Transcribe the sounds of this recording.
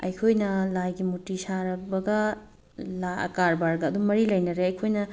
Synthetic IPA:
ɐ̰jkʰojnɐlajɡimutisaɾɐbɐɡɐ | laɐ̰kaɾbaɾɡɐɐd̪ummɐɾilɐjnɐɾeɐjkʰojnɐ

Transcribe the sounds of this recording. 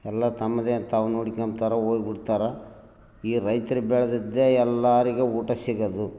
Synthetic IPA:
ɛlːɐt̪ɐmːɐd̪et̪aːʋunoːɽikːɐmt̪aːɾɐoːjbiɽt̪aːɾɐ | iːɾɐjt̪ɐɾibɛːɭɐd̪id̪ːeɛlːaːɾiɡeuːʈɐsiːɡɐd̪u

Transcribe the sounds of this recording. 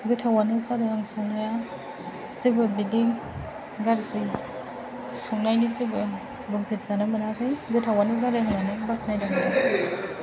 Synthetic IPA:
ɡɯtʰawanɯzaɾɯaŋsɔŋnaja | z̥ibɯbili | ɡaɾzi | sɔŋnajnizibɯ | bɯŋpʰit̚z̥anamɯnakʰɯjɡɯtʰawanizaɾɯaŋnanɯbatʰnajdamanakʰɯ

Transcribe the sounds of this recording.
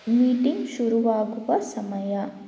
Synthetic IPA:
miːʈiŋɡʃuɾuʋaːɡuʋɐsɐmɐjɐ

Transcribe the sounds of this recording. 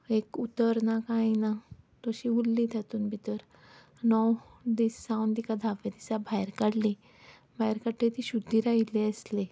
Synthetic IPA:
ekut̪əɾnakãĩnat̪oɕiulːit̪ʰat̪unbʱit̪əɾ | nɔwd̪isːãwnd̪ikad̪ʱaʋed̪isabʱajɾkəɽli | bʱajɾkəʈʰːet̪iɕud̪ʱːiɾaileəsle

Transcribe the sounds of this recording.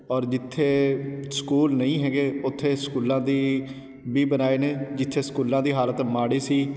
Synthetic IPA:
ɔːɾd͡ʒɪt̪ʰːeːskuːlnəĩːɦɛːɡeːʊt̪ʰːeːskuːlãːd̪iː | biːbənaːeːneːd͡ʒɪt̪ʰːeːskuːlːãːd̪iːɦaːlət̪maːɽeːsiː

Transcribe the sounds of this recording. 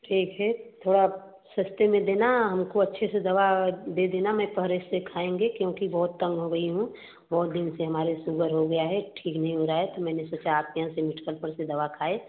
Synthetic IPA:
ʈʰiːkɦɛt̪ʰoːɽa | sɐst̪emẽd̪eːnaɦɐmkoɐtːʃʰesed̪ɐʋad̪ed̪eːnamɛ̃pəɦɾessekʰaːẽːŋɡekjõːkibɔɦʊt̪ːɐ̃ŋɡɦoɡɐiɦũ | bɐɦt̪̚d̪ɪnseɦɐmaːɾesuɡəɾɦoɡɐjaɦɛʈʰiːknɐɦĩɦoːɾaaɦɛt̪omɛ̃ːnesoːt͡ʃaːp̚jɐɦãsemɪʈʰkəlpəɾsed̪ɐʋakʰaːe

